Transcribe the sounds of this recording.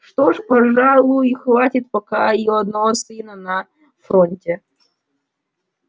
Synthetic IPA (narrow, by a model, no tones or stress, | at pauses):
ʂt̪oʂpɐʐalˠʊjʊixvatʲɪt̪̚pɐkaijoɐd̪nɐvosɨnənɐ | fɾonʲtʲe